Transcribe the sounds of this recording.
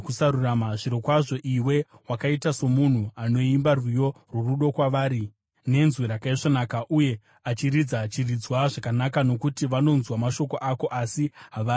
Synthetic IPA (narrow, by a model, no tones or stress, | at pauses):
kusaɾuramaʐiɾo̞kwaʐo̞ʔiwe̞ | wakaitaso̞mun̤uano̞imbarwijo̞ | rwuruɗo̞kwaʋaːɾi | ne̞nzweɾakaiʐonaːkaʔuje̞ | at͡ʃiɾid͡zat͡ʃirid͡zwaʐakanakano̞kutiʋano̞nzwamaʃo̞ko̞ʔako̞ʔasiɦaʋaː